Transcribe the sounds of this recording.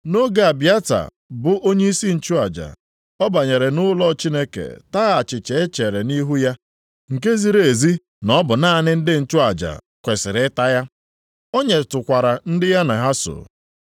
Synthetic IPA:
no˦ɡa˨a˨bja˦ta̰˨ | bʊ˨ʔo˦ɲe˦i˦si˦n̩˨t͡ʃʊ˦a˨d͡ʒa̰˨ | ɔ˦ba˨ɲe˨ɾe˨nʊ˦lɔ˦˨t͡ʃi˦ne˦kḛ˨ta˦ɣa˨t͡ʃɪ˨t͡ʃe˨e˦t͡ʃe˨ɾe˨ni˦ɦu˦ja˦ | ŋ̩˨ke˦zi˦ɾe˨e˨zi˦ | nɔ˦bʊ˨na˦˨nɪ˦n̩˦dɪ˦n̩˨t͡ʃʊ˦a˨d͡ʒa̰˨ | kʷe˨sɪ˨ɾɪ˨˦ɪ˦ta˦ja˦ | o˦ɲe˨tʊ˨kʷa˨ɾa˨n̩˦dɪ˦ja˦na˨ɦa˦sʊ̰˨

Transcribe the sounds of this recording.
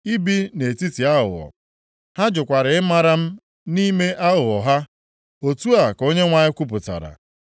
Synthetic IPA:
i˦bi˦ne˨e˨ti˦ti˨a˦ɦʊ̰˨ɔ̰˨ | ha˦d͡ʒʊ˨kʷa˨ɾɪ˨ɪ˦ma˦ɾa˦m̩˦ | ni˦me˦ʔa˦ɦʊ˨ɔ˨ɦa˦ | o˨tu˦a˨ko˦ɲe˦ŋʷa˦ɲɪ˦kʷu˦pʊ˨ta̰˨ɾa̰˨

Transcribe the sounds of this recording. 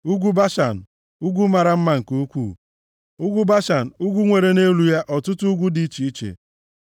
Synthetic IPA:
u˦ɡʷu˦ba˦ʃa˨n̩˨ | u˦ɡʷu˦ma˨ɾa˦m̩˦ma˦˨ŋ̩˨ku˦kʷṵ˦˨ | u˦ɡʷu˦ba˦ʃa˨n̩˨u˦ɡʷu˦ŋʷe˨ɾe˨ne˦lu˨ja˦ʔɔ˨tʊ˦tʊ˦u˦ɡʷu˦di˦i˦t͡ʃi˨i˦t͡ʃḛ˨

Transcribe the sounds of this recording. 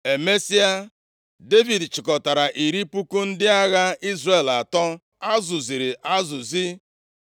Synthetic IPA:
e˨me˦si˦a˦ | de˦vi˨dt͡ʃɪ˨kɔ˨ta˨ɾa˨ʔi˨ɾi˦pu˦ku˦n̩˦dɪ˦a˦ɣa˦i˦zre˨la˨tɔ˦ | a˦zʊ˨zi˨ɾi˨ʔa˦zʊ˨zi˦

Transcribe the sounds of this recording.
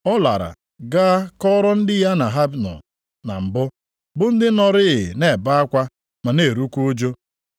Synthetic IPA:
ɔ˦la̰˨ɾa̰˨ | ɡa˦kɔ˦ɾɔ˦n̩˦dɪ˦ja˦na˨ɦa˦bnɔ̰˨ | na̰˨m̩˨bʊ˦ | bʊ˦n̩˦dɪ˦nɔ˨ɾɪ˦ɪ̰˨ne˨ba˦a˦kʷa˦ | ma˨ne˨ɾu˦kʷu˦o˦d͡ʒo˦

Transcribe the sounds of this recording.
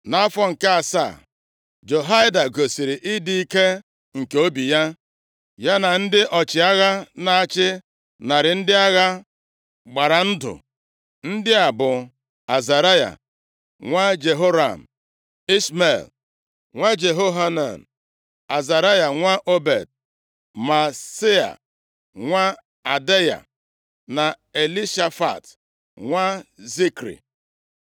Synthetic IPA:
na˦fɔ˦ŋ̩˨ka˦a˨sa̰˦˨ | d͡ʒo˨ɦa˦da˨ɡo˨si˨ɾɪ˨ʔɪ˦di˦i˦ke˦ | ŋ̩˨ke˨o˦bi˨ja˦ | ja˦na˨n̩˦dɪ˦ʔɔ˨t͡ʃɪ˨a˦ɣa˦na˨a˦˨t͡ʃɪ˦ | na˨ɾɪ˨n̩˦dɪ˦a˦ɣa˦ | ɡ͡ba˨ɾa˨n̩˦dʊ̰˨ | n̩˦dɪ˦a˨bʊ˨ | a˨za˨ɾa˦ja̰˨ | ŋʷa˦d͡ʒe˨ɦo˦ɾa̰˨m̩˨ | i˦sme˨l | ŋʷa˦d͡ʒe˨ɦo˦ɦa˦na̰˨n̩˨ | a˨za˨ɾa˦ja˨ŋʷa˦ʔo˦be˨d̚ | ma˨se˦a̰˨ | ŋʷa˦ | a˨de˦ja̰˨ | na˨ | e˨li˦ʃa˦fa̰˨t | ŋʷa˦zi˦kɾḭ˨

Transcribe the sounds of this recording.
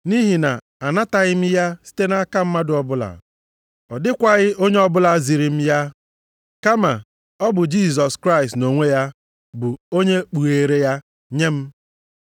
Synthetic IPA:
ni˦ɦi˨na˨ | a˨na˦ta˨ɣɪ˦m̩˦ja˦si̥˦te˦na˦ka˦m̩˦ma˦dʊ˨ɔ˨bʊ˦la̰˨ | ɔ˨dɪ˦kʷa˦ɣɪ˦o˦ɲe˦ɔ˦bʊ˦la˦zi˨ɾi˨m̩˦ja˦ | ka˦ma˨ | ɔ˦bʊ˨d͡ʒi˦˨s̬ɔ˨skɾa˦ɪ˨stno˨ŋʷe˦ja˦ | bʊ˨o˦ɲe˦k͡pu˨e˨ɾe˦ja˦ | ɲe˦m̩˦

